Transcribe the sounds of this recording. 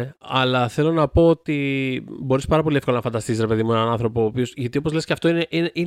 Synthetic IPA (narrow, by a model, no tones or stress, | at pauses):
ɐlɐθe̞lo̞nɐpo̞ot̪ibo̞ɾispɐɾɐp̬o̞lie̞fkolɐnɐfɐnd̪ɐst̪isisɾe̞pe̞ðimuenɐnɐnθɾo̞po̞ːpio̞sʝɐt̪io̞po̞zle̞sceɐft̪o̞ineʔineʔi